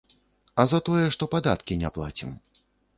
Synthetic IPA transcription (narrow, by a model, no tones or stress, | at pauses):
ɐzɐt̪ɔjɛʂt̪ɔpad̪a̰t̪kʲinʲɛplˠa̰t͡sʲḭm